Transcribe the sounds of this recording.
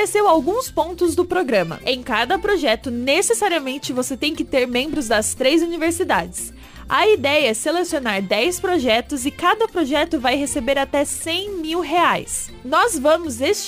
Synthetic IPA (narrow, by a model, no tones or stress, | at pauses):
esewawɡũspõnt̪ʊzd̪ʊpɾoɡɾɐ̃mɐ̰ʔẽj̃kad̪ɐpɾoʒɛt̪ʊnesesaɾiɐmẽnt͡ʃɪvoset̪ẽj̃kɪt̪eɾmẽmbɾʊzd̪ɐst̪ɾejzuniveɾsid̪ad͡ʒɪs | ɐid̪ɛjɐɛselesionaɾd̪ɛjspɾoʒɛt̪ʊzɪkad̪ɐpɾoʒɛt̪ʊvajɦesebeɾat̪ɛsẽj̃miwɦeajsnɔzvɐ̃mʊzest͡ʃ